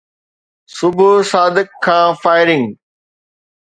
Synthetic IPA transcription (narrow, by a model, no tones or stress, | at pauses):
sʊbʱʊsaːd̪ɪkʰːãːfaːɪɾɪ̃ŋɡ